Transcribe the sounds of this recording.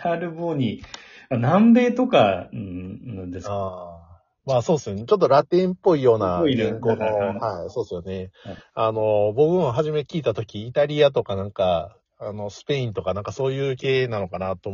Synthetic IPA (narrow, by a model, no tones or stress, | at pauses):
aɾɯ̟boːɲi | anãmbe̞ːt̪o̞ka̰ | nãnd̪esaː | maːso̞ːd̪sɨne̞t͡ɕo̞t̪ːoɾat̪ẽ̞mpːo̞ijo̞ːnaẽŋkoːnohaisoːd̪esɨjone̞ano̞bo̞kɯ̟̃aɦaʑime̞kʲiːt̪at̪o̞kʲiːt̪aɾʲiat̪̬o̞kanãŋka | ano̞sɨ̥pe̞ĩnt̪o̞kanãŋkaso̞ːjɯ̟ːke̞ːnano̞kanat̪o